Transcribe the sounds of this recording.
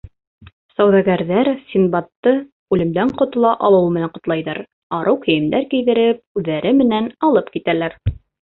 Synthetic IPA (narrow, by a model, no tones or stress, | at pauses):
sɑwðɑɡæɾðæɾsʲinbɑt̪ːɤ | ʉlɘ̆md̪æɴqŏt̪ŏlˠɑʔɑlˠɤ̆wɤmɘ̆næɴqŏt̪lˠɑjðɑɾ | ɑɾʔɤwkɵ̆jɘ̆md̪æɾkijðɘ̆ɾɘp̚ʉðːæɾɘmɘ̆nænɑlˠɤpkit̪ælæɾ